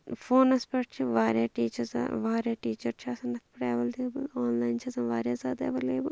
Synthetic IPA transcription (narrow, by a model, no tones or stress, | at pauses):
fʰoːnɐspɐʈt͡ʃʰiʋaːɾjaːʈiːt͡ʃɐz̰ʋaːɾjaːʈiːt͡ʃɐɾt͡ʃʰaːsɐnɐk̪pɾaːʋɐld̪eːbɐlaːnlaːjnt͡ʃʰɐsɐnʋaːɾjaːzaːd̪ɐ̰ːbɐleːbɐl